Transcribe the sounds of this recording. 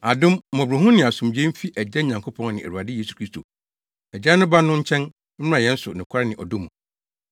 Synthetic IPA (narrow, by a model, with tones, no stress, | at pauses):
a˨dʊ̃˦m˦mɔ̃˨bɾʊ˨ɦʊ̃˦nɪ̃˨a˨sũ˨md͡ʑɛ̃˦m̩˦fi˦ʔæ˨d͡ʑɛ˦˨ɲã˨ŋkʰo˦pʰɔ̃˦ŋ˦nɪ̃˨æ̰˨ɾu˨a˨dɪ˦je˦su˨kʰɾi˦stʰo˨ | ɛ˨d͡ʑɛ˦nʊ̃˦ba˦nːʊ̃˦ɲ̩˦t͡ɕʰɛ̃˦n | m̩˦m˦ã˨jɛ̃˦n̩˦sʊ˨nɪ̃˨kʰʷa˦ɾɪ˦nɪ̃˨ʔɔ̰˨dʊ̃˦mũ˨